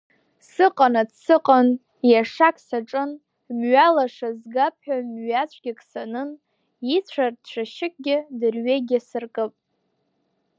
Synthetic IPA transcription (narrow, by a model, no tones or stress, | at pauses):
sɨqʼanadsɨqʼan | jaʂakʰʼsaʈ͡ʂʼɨn | mɥalaʂazɡapʰħʷᶣamɥat͡ɕʷʰɡʲɪkʰʼsanɨn | it͡ɕʷʰardʃʷʰaʃɪk̚ʼɡʲɪdɨrɥeɡʲasɨrkʼɨpʼ